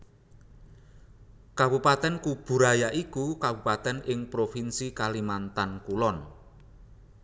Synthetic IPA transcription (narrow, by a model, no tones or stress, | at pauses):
kabupat̪ɛnkub̥ṳɾajaʔikukabupat̪ɛnɪŋpɾofinsikalimant̪ankulɔn